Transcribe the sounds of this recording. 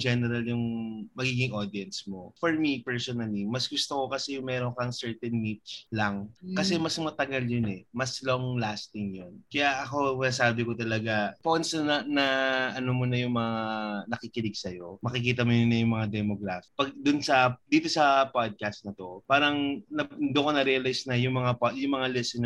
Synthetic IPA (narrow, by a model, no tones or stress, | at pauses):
d͡ʒɛnɛɾɐljʊŋmɐɡiːɡɪŋʔod̪iɐnsmo̞foɹmipɛɹsonɐlimɐsɡʊst̪okokɐsɛjʊŋmɛːɾonkɐŋsɛɹt̪ɛnmit̪lɐŋkɐsɛmɐsmɐt̪ɐɡaljonɛmɐsloŋlaːst̪ɪŋjonkɐjaʔɐko̞mɪnasaːbɪkot̪ɐlɐɡapojnsɐnɐnɐʔɐnomunɐjʊŋmɐŋanɐkɪkɪlɪɡsɐjo̞mɐkɪk̬iːt̪̬ɐmojʊnɐjʊŋmɐŋad̪ɛmoɡɾafɪ̥pɐɡ̚d̪ʊnsɐd̪iːt̪o̞sɐpad̪̚kast̪̚nɐt̪o̞paːɾɐŋnɐnd̪okonɐɾɛɐlajsnɐjʊŋmɐŋapjʊŋmɐŋalɛsɛn